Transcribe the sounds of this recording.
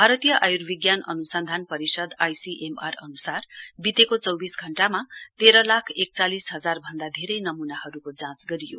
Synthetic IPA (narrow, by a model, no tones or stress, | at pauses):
bʱaɾʌt̪ijʌʔajurbiɡjanʌnusʌnd̪ʱanpʌɾisʌd̪ajsiʔema̰rʌ̰nusarbit̪ekot͡sʌwbisɡʱʌɳʈamat̪eɾʌlakʰek̚t͡salisɦʌd͡zarbʱʌnd̪ad̪ʱeɾʌjnʌmunahʌɾukod͡zãt͡sɡʌɾijo̰